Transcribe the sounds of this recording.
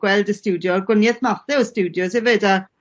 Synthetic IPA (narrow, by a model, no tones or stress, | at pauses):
ɡ̥wɛlˠdəstuːdjɔɡwɪnjɛθmaθɛəstuːdjɔshɛvɨda